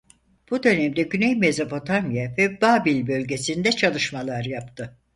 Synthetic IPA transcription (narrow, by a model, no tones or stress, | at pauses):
b̥ud̪ø̞nɛmd̪ɛɟynɛjmezapʰo̞t̪ʰamijavɛbaːbilʲbø̞lʲɟe̞sind̪ɛt͡ʃʰalˠɯʃmalˠaɾjapt̪ʰɯ